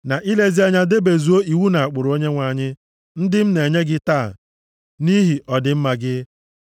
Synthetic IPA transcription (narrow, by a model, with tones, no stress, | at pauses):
na˨ʔi˦le˦zi˦a˦ɲa˦de˦be˨zu˨o˦i˨wu˦na˨a˨k͡pʊ˨ɾʊ˨o˦ɲe˦ŋʷa˨ɲɪ˦ | n̩˦dɪ˦m̩˦ne˨ɲe˦ɡɪ˦taː˦˨ | ni˦ɦi˨ʔɔ˨dɪ˨m̩˦ma˨ɡɪ˦